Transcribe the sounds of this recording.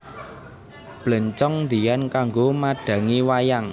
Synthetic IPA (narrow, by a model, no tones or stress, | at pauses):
b̥lə̤ɲt͡ʃɔŋnd̪i̤jankaŋɡomaɖ̥ä̤ŋiwajaŋ